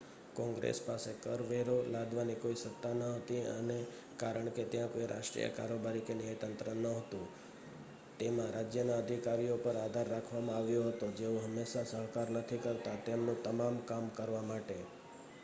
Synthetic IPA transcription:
kɔ̃ŋɡɾḛspasekəɾʋeɾolad̪ʋanikoisət̪ːanəɦət̪iə̰ne | kaɾəɳket̪jãkoiɾʔa̰ʃʈɾḭjə̰ka̰ɾobaɾikenjajt̪ənt̪ɾənəɦət̪ũ | t̪emãɾad͡ʒjənaəd̪ʱikaɾijopəɾad̪ʱaɾːakʰʋamãaʋjoɦət̪od͡ʒeõɦəmːeʃasəɦkaɾnət̪ʰikəɾt̪at̪emnõt̪əmamkamkəɾʋamaʈe

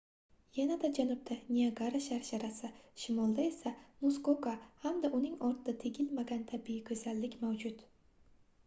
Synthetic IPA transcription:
janad̪ad͡ʒanʊb̚t̪ʰanʲiaɡaɾaʃaɾʃaɾasɪʃɪmɒlˠd̪ae̞samuskokahamd̪aʔʊnɪŋɒɾt̪ʰd̪at̪ʰeɡʲɪlmaɡʲant̪ʰabijɪkʲʰɵzalːɪkʲmawd͡ʒʊt̪

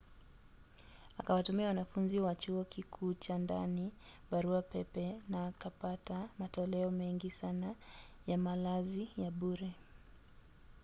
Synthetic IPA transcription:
akawatumiawanafunziwat͡ʃuɔkikʰuːt͡ʃanda̰ni | baɾuapɛpɛnaːkapatamatɔlɛɔmɛŋɡisana | jamalazijaɓuɾɛ

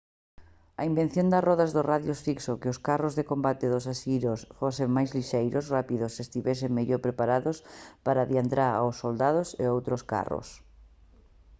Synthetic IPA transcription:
ɐimbẽn̟θjond̪ɐsrɔðazðosraðjosfiksokeʊskarozðekombat̪eðʊsasiɾosfoseŋmajzliʃejɾʊsrapiðʊsːest̪iβɛs̬eŋmeʎoɾpɾepaɾaðʊspaɾaðjand̪ɾaɾa̰wsːold̪að̞osḛowt̪ɾʊska̰ro̰s

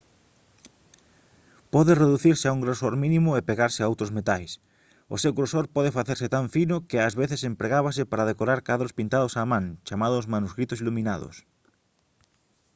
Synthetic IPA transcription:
pɔðɪreðuθiɾsɪauŋɡɾosoɾminĩmʊepeɣaɾsɪaowt̪ɾozmet̪ajs | o̰sewɣɾosoɾpɔðɪfaθeɾsɪt̪aɱfinʊkɪazβeθesempɾeɣaβasɪpaɾaðekoɾaɾkaðɾospint̪aðosaːmãŋt͡ʃamaðʊsmanuskɾit̪ʊsilumĩnaðʊ̰s

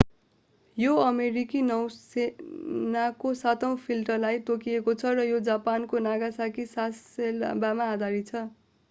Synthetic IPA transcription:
joʌmeɾikinʌwsenakosat̪ʌw̃pʰilʈʌrlajt̪okiekot͡sʰʌrʌjod͡zapankonaɡasakisaselbamaːd̪aɾit͡sʰʌ

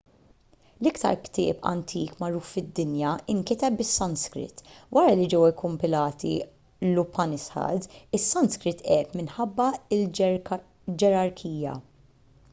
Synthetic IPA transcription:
lɪkt̪ɐ̰ɾkt̪ɪ̰ːpɐ̰nt̪ʰiːkmɐɾuːffɪd̪ːɪnjɐɪŋkɪt̪ɛp̚bɪsːɐnskɾɪ̰t̪ːwɐɾɐlid͡ʒɛwɛkːʊmpɪlɐːt̪ḭ | lʊpɐnɪsħɐ̰d̪ɪsːɐnskɾɪt̪ːʔɛːp̪mɪnħɐbːɐɪl | d͡ʒɛɾɐɾkʰiːjɐ̰

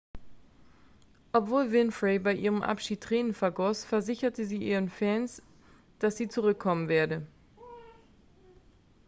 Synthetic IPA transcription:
ʔɔpv̥oːlvɪnfʁebaɪʔiːʁ̞əmʔa̰pʃiːt̚ʁ̥ɛːnənfɛɐɡɔsfɛɐzɪçɐtəziːʔiːʁənfɛns | d̥asz̥iːt͡suʁʏkʰːɔmənveːɐdə

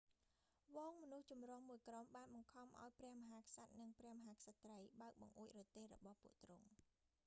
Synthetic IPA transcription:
ʋɔːŋmɔnuht͡ɕumrŏəŋmuəjkromɓaːnɓɑŋkʰɑmʔa̰ɔjprɛ̆əhmɔɦaːkʰsat̪̚nɨŋprɛ̆əhmɔɦaːkʰsat̪ːrəjɓaək̚ɓɑŋʔuəc̚rɔt̪eːhrɔ̰ɓɑhpŭəʔt̪rʊŋ

